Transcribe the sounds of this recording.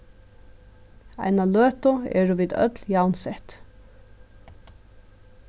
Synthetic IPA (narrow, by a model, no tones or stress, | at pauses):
æ̰ɪnɑløːt̪ʊḛːɹʊʋiːd̪œ̰t̪ljɑʊnsɛt̪